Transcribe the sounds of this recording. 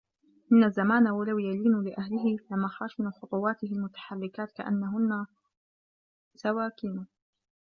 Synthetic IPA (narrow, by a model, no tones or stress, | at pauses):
ʔɪnːazːamaːnawalawjaliːnlɪʔahlɪɦɪlamaxaːʃnxʊt̪ˤʊwɑːt̪ɪhɪlmʊt̪ḁħarːɪkaːt̪ka̰ʔa̰nːaɦʊnːa | sawaːkiːna